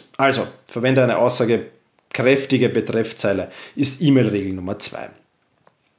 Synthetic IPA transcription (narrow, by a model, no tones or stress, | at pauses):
ʔalzofɛɐvɛndəæɪnəʔaʊsːaːɡə | kʁ̥ɛftɪɡəbətʁ̥ɛft͡saɪləʔɪstʔiːmeːlʁeːɡl̩nʊmɐt͡sv̥a̰ɪ